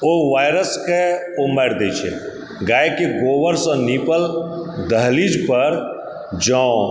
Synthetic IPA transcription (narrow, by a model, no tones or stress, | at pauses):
oʋaːjɾəskeomaːɾd̪et͡ʃʰɛ̰ | ɡaːjkeɡoːʋəɾsɔniːpəld̪əɦlid͡ʒpəɾ | d͡ʒɔ̃